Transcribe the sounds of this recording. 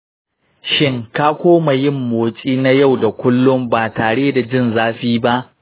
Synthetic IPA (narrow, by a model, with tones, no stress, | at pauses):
ʃɪ˦ŋkaː˦kʷoː˦ma˨jɪ˦mːoː˨t͡ʃʼiː˦na˦ja˦˨wda˨kʷʊ˦lːʊ˦mbaː˨taː˨ɽeː˦da˨d͡ʒɪ˦˨nzaː˦ɸiː˦ba˦ʔ